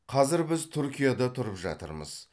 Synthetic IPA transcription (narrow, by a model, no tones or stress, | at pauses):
qʰɑzɪɾbɪzt̪ʰʏɾkʲijad̪ɑt̪ʰʊɾəpʒɑ̰t̪ə̰ɾmə̰z̥